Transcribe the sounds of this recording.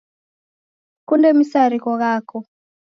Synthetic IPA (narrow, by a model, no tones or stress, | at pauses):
kundɛmisaɾikɔɣaːkɔ